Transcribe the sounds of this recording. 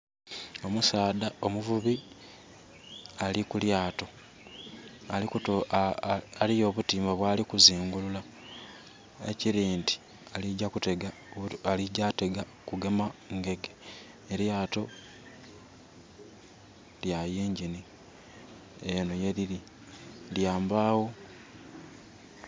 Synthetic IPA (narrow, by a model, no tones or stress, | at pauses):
o̞musaːd̪ao̞muvuβi | alikuljaːto | aiku | alijo̞ːβutiːmbaβwaːlikuziːŋɡulula | ḛciɾiːnti̥ | aliɟakute̞ɡa | aliɟate̞ɡa | kuɡe̞maŋɡe̞ɡe | eɾjaːto̞ | ljajeːɲɟini | enoje̞ɾiɾi | ljaːmbaːwo̞